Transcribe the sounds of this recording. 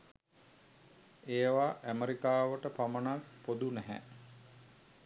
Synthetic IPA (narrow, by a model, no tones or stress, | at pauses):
eːʋaʔæməɾikaːʋəʈəpamənakpod̪unɛɦæ̰